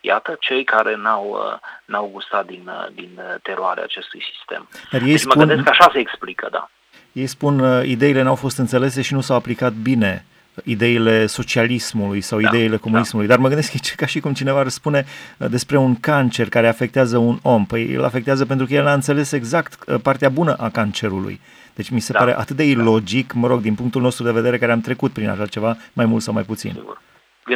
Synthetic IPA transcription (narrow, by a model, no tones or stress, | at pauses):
ja̰t̪ət͡ʃe̞jkaɾe̞nawə̰nawɡust̪at̪̚d̪ind̪int̪eɾoa̰ɾḛa̰ːt͡ʃe̞st̪ujsi̥st̪e̞̰md̪arjejsməɡpuɨnd̪eskaʃase̞ːksplikʰə̰d̪a̰ | je̞jspunid̪e̞ile̞nawfo̞st̪ɨnt̪se̞le̞s̬e̞ʃinusawaplikat̪̚bine̞ | id̪e̞ile̞so̞t͡ʃialismulujsawid̪eile̞ko̞munismulujd̪arməɡɨnd̪eskait͡ʃe̥kaʃikumt͡ʃine̞varəspune̞d̪e̞spɾe̞uŋkant͡ʃe̞rkaɾe̞afe̞k̚t̪eazəuno̞mpəjjḛla̰fek̚t̪eazəp̬ent̪ɾukəjelnaɨnt̪se̞le̞se̞ɡzakt̪part̪eabunəʔakant͡ʃe̞ɾulṵj | d̪̥e̞t͡ʃʲmise̞aɾe̞̰ʔa̰t̪ɨt̪̚d̪e̞ilo̞d͡ʒikməɾo̞ɡ̚d̪inpuŋk̚t̪ulno̞st̪ɾud̪e̞ve̞d̪e̞ɾe̞kaɾeamt̪ɾe̞kut̪̚pɾina̰ʃat͡ʃe̞vamajmult̪sawmajput̪sḭn